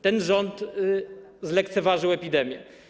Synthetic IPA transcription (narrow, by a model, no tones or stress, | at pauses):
t̪ɛnʐɔnt̪ | zlɛkt̪sɛvaʐɘwɛpʲid̪ɛmʲjɛ̰